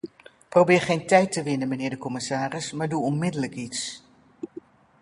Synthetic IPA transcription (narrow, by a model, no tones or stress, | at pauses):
prowbɪːɹχejntɛjtəʋɪnənmənɪːɹdəkɔmɪsaːrɪsmaːɹduɔnmɪdələkits